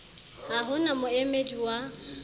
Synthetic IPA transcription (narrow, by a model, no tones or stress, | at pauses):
aɦʊnamʊemed͡ʒiwa